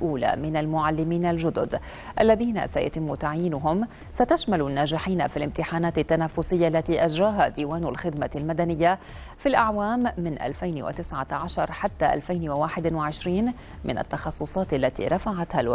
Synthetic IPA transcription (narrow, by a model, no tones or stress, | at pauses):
ʔuːla̰mɪnalmʊʕalːɪmiːnalʒʊd̪ʊd̪ | ʔalːaðiːna̰sa̰ja̰t̪ɪmːʊt̪aʕjiːnʊɦʊm | sat̪aʃmalʊnːaːʒɪħiːna̰filɪmt̪ɪħaːnaːt̪ɪt̪ːanaːfʊsɪjːaʔlːat̪iːʔaʒɾaːɦad̪iːwaːnʊlxɪd̪malmad̪anɪjːa | filʔaʕwaːmːɪnʔa̰lfajnwa̰t̪ɪsʕaʕaʃɑɾˤħat̪ːaʔa̰lfajnwawaːħɪd̪waʕɪʃɾiːn | mɪ̰na̰t̪ːɑxɑsˤːʊsˤɑːt̪alːat̪ḭːɾˤɑfaʕat̪halw